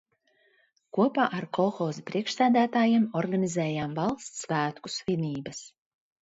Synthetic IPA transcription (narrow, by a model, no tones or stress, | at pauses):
kuɔpaːʔaɾkɔlˠxɔːzpɾiɛkʃsæːd̪æːt̪aːjimɔɾɡanʲizɛːjaːmvɑlˠst̪svæːt̪ku̥svʲinʲiːbɐs